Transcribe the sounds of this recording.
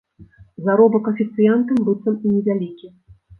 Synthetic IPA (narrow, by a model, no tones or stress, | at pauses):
zaɾɔbɐkɐfʲit̪sɨjant̪ɨmbɨt̪sɐminʲɛvʲalʲikʲi